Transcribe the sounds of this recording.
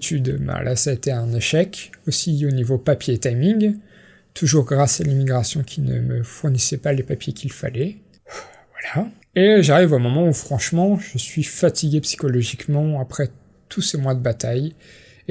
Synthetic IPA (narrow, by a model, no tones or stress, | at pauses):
t̪ʰyd̪bã̰lʔa̰saet̪ɛɛ̃neʃɛkosionivopapjet̪ajmĩŋɡ | t̪ʰuʒuʁɡʁasalimiɡʁasjɔ̃kʲʰinə̰məfuʁnisɛpalepapjekʰʲilfa̰lɛ | vwala | eʒaʁivomɔmɑ̃ufχɑ̃ʃmɑ̃ʒəsɥifat̪iɡʲepsi̥kɔlɔʒikmɑ̃apχɛ | t̪ʰusemwad̪əbat̪aj